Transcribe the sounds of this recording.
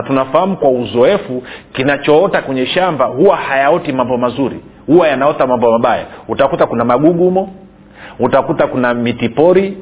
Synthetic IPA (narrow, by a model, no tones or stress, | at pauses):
tunafahamukwauzɔɛfukinat͡ʃɔɔtakwɛɲɛʃambahuwahajaɔtimambɔmazuɾḭ | huwajanaɔtamambɔmaɓaja̰utakutakunamaɡuɡumɔ | utakutakunamitipɔɾi